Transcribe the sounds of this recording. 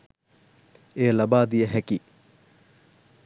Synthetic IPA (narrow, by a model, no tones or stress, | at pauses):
eːlɐbaːd̪ijəɦɛki